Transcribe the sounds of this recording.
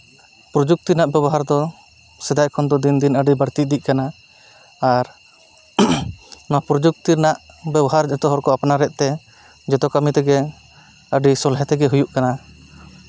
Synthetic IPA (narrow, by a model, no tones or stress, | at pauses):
pɾɔd͡ʒuk̚t̪inaʔbɛbɔɦaɾd̪ɔ | sɛd̪ajkʰɔnd̪ɔd̪ind̪inəɖibəɽt̪iʔ̚d̪iʔ̚kanaː | ɾ | napɾɔd͡ʒuk̚t̪iɾnaʔ | bɛbɔɦaɾd͡ʒɛt̪ɔɦɔɾkɔapnaɾɛʔ̪̚ˀt̪ɛ | d͡ʒɛt̪ɔkamit̪ɛɡɛ | əɖisɔlɦɛt̪ɛɡɛɦujuʔkana